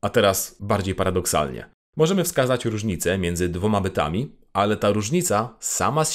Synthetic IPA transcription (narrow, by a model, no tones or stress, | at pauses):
at̪ɛɾasbaɾd͡ʑejpaɾad̪ɔksa̰lɲɛ̰ | mɔʐɛmɘfskazat͡ɕɾuʐɲit̪sɛmʲjɛnd̪zɘd̪vɔmabɘt̪a̰mʲi | alɛt̪aɾuʐɲit̪sasa̰mas